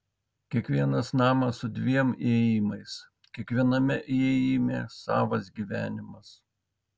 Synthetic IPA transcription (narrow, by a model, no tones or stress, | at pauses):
kʲiɛkʋʲiɛnɐsnɑːmɐsʊd̪ʲʋʲiɛmeːjimɐɪs | kʲiɛkʋʲiɛnɐmʲɛʔeːjimʲḛːsɑ̰ːʋɐsɡʲiːʋʲæːnʲɪmɐs